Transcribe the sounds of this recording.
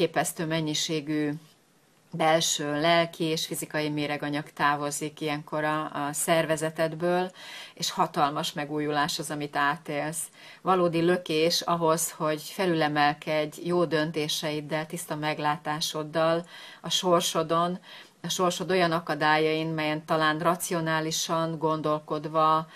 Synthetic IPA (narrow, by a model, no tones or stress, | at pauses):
keːpɛst̪øːmɛɲːiʃeːɡy | bɛlʃøːlɛlkʰieːʃfizikɒjimeːɾɛɡɒɲɒkt̪aːvo̞zikiɛŋko̞ɾɒsɛrvɛzɛt̪ɛd̪bøːleːʃhɒt̪ɒlmɒʃmɛɡuːjulaːʃhozɒmit̪aːt̪eːls | vɒloːd̪ilø̞keːʃɒɦo̞sho̞ɟfɛlylɛmɛlkɛɟːjoːd̪ø̞nt̪eːʃɛid̪ɛlt̪ist̪ɒmɛɡlaːt̪aːʃo̞d̪ːɒlɒʃo̞rʃo̞d̪o̞n | ɒʃo̞rʃo̞d̪o̞jɒnɒkɒd̪aːjɒinmɛjɛnt̪ɒlaːnrɒt̪sio̞naːliʃɒŋɡo̞n̪d̪o̞lko̞d̪vɒ